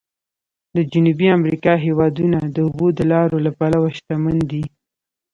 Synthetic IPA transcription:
d̪əd͡ʒunubiamɾikɑɦewɑd̪unad̪əʊbod̪əlɑɾolapalawaʃt̪amand̪i

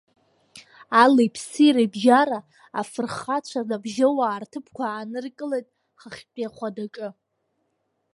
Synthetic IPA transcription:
alejpʰsiirabʒaɾaː | fɨrχat͡ɕʷʰadabʒɪwaːrtʰɨpʰkʷʰaːnɨrkʼɨlejtʼ | χəχʲpʼeχʷadaʈ͡ʂʼɨ

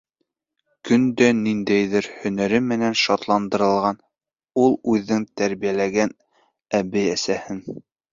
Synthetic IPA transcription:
kɵ̆nd̪ænind̪æjðɘɾhɵ̆næɾɘmɘ̆nænʃɑt̪lˠɑnd̪ɤ̆ɾɤ̆lˠʁɑn | ulˠʉðːɘŋt̪æɾβijælæɡæn | æbɘæsæhɘn

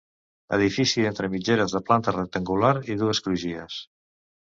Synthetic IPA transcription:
ə̰ðifisient̪ɾəmid͡ʒeɾəzðəplant̪ərək̚t̪əŋɡulaɾiðuəskɾuʒiəs

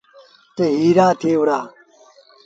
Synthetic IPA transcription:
t̪eɦiːɾaːt̪ʰeːwʊɽaː

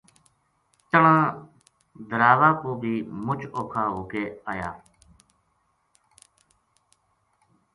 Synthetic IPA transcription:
t̪əɳãː | d̪əɾaːʋaːkoːbʱiːmʊt͡ʃʰoːkʰaːɦoːkeːaːja̰ː

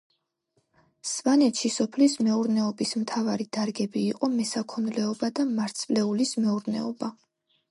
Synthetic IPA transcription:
svanɛt̪ʃisɔpʰlismɛuɾnɛɔbismt̪ʰavaɾid̪̥aɾɡɛbiːqʼɔmɛsakʰɔnlɛɔbad̪amaɾt̪sʰvlɛulismɛuɾnɛ̰ɔba

